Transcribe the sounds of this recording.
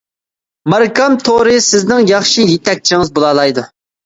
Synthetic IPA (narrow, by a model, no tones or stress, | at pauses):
mɑɾkɑmt̪ʰoɾɨsɪznɪŋjɑχʃijet̪ɛk̚ʲt͡ʃʰiŋɨzbolˠɑlˠɑjd̪u